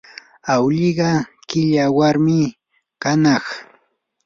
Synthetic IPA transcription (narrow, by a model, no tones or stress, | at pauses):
awʎɪɢɑkɪʎawaɾmɪ | kanɑχ